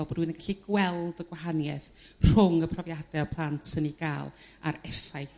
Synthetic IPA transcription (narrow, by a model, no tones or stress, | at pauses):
ɔlˠbɔdwɨnaɡaɬiɡwɛlˠdəɡwaɦanjɛθr̥ʊŋəpʰrɔvjadɛɔpʰlˠantʰsəniɡ̥aːlˠa̰ɾɛθajθ